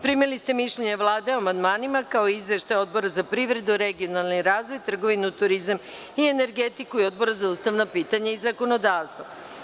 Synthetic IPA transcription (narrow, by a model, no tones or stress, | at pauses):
pɾimilist̪e̞miʃʎeɲeʋlˠaːd̪e̞oamand̪maːnimakaoizʋe̞ʃt̪ajo̞d̪̚bo̞ɾazapɾiʋɾe̞d̪uɾe̞ɡio̞nalˠniɾaːzʋo̞jt̪r̩ɡo̞ʋinut̪uɾizam | ie̞ne̞ɾɡet̪ikuio̞d̪bo̞ɾazauːst̪aʋnopiːt̪aɲaizako̞no̞d̪aːʋst̪ʋo